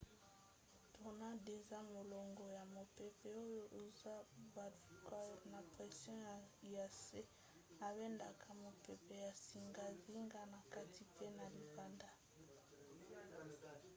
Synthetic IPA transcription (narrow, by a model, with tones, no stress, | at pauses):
tʰo˨na˦de˨za˦mo˨lɔ˨ŋɡɔ˨ja˨mo˨pe˨pɛ˦o˦jo˦ʔu˦˨za˦ba˨kna˨pʁɛ˨sjɔ̃˦ja˨a˨se˦ | a˨be˦nda˨kʰa˨mo˨pe˨pe˨ja˨si˨ŋɡa˦zi˦ŋɡa˦na˨ka˦tʰi˨pe˦na˨li˨ba˨nda˦